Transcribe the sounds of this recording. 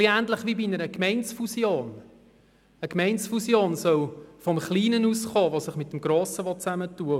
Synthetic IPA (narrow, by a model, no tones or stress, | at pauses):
liæːntləχʋibinəɾəkmɛɪnsfusjoːn | əkmɛɪnsfusjoːnsœwfɔmχliːnənuːsχoːʋosɪχmɪtːəmɡɾoːsəʋɔt͡sæmətuə